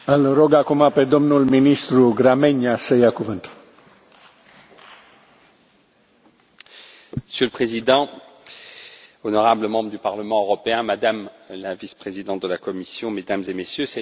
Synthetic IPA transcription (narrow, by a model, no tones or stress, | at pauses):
əlroɡakumape̞d̪o̞mnulminist̪ɾuɡɾamenasəjakuvɨnt̪u̥l | məsjøləpχezid̪ɑ̃ | ɔnɔʁabləmɑ̃bʁəd̪ypaʁləmɑ̃øʁɔpeɛ̃mad̪amlavispχezid̪ɑ̃t̪̚d̪əlakɔmisjɔ̃med̪amzemesjøsɛ